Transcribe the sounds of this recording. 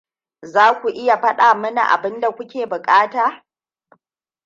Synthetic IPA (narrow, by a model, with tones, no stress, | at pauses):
zaː˦kʷu˨ʔɪ˦ja˨ɸɐ˦ɗaː˨mɐ˦na̰˨ʔa̰˨bɪ˦nda˨kʷʊ˦kʲeː˨bʊ˨kʼaː˦taː˨